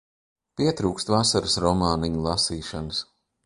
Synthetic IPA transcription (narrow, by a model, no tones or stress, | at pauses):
piɛt̪ɾuːkst̪vasaɾəsɾɔmaːniɲulˠasiːʃanɨs